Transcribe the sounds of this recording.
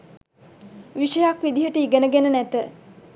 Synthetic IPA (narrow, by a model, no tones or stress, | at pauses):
ʋiʃəjakʋid̪iɦəʈəiɡənəɡenənæt̪ə